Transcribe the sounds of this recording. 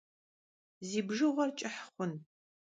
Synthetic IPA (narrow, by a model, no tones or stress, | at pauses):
ziːbʒɨʁʷɔrt͡ʃʼɪħχʷʊn